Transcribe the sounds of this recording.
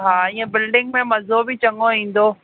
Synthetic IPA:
ɦãːjẽbɪlɖɪ̃ŋɡmẽmɐzobʱit͡ʃɐŋɡoɦĩːn̆d̪oː

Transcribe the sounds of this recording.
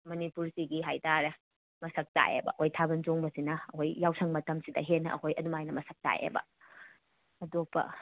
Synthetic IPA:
mɐnipuɾsiɡiɦajtaɾɐ | mɐsɐk̚ta̰jḛbɐ̰ʔhojtʰabɐnzoŋbɐsinɐːhojːawsʰɐŋmɐtɐmsidɐ̰ɦenːɐʔɐkʰojʔɐdumajnɐmɐsɐk̚ta̰jḛbɐ̰ | ɐdopːɐ̰

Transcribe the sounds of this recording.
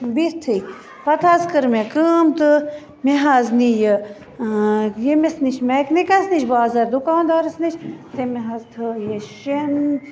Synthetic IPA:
bist̪ʰɨ | pɐt̪ʰazkəɾmekəmt̪ɨ | meɦaznijə | jemesniʃʰmeknikɐsnit͡ʃʰbaːzɐɾd̪ukaːnd̪oːɾɐsnit͡ʃʰt̪emeɦazt̪ʰɨjeʃen

